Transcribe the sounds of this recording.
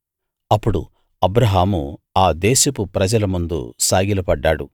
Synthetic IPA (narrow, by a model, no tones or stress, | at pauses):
ɐpːuɽṵ | ɐbɾɐɦaːmuaːd̪eːʃɐpupɾɐd͡ʒɐlɐmund̪ṵsaːɡilɐpɐɖːaːɽṵ